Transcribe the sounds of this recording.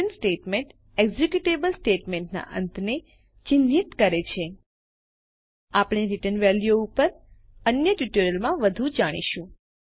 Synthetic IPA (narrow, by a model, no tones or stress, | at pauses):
ənsʈeʈmeɳʈ | eɡzekjuʈebəlsʈeʈmeɳʈna̰ʔə̰nt̪ʰne | t͡ʃind̪ʱit̪kəɾet͡ʃʰe | apɳ̃eɾiʈənʋɛljoupəɾ | ənjəʈjuʈeɾəlmãʋəd̪ʱũd͡ʒaɽ̃ḭʃũ